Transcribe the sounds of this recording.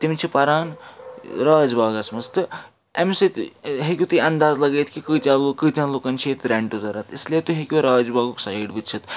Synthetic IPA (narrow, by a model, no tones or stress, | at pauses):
t̪imt͡ʃʰipɐɾaːn | ɾaːd͡ʒbaːɡɐsmɐst̪ɨ | emsit̪ɦekʲut̪ɨɐnd̪aːzlɐɡeːt̪ʰkikɨːt̪ʲãːlokɨːt̪ʲjãːloːkɐnt͡ʃʰiet̪ɾeɳʈuzɐɾɐt̪islijet̪uɦekʲuɾaːd͡ʒbaːɡuksaːjɖbɨt̪t͡ʃʰit̪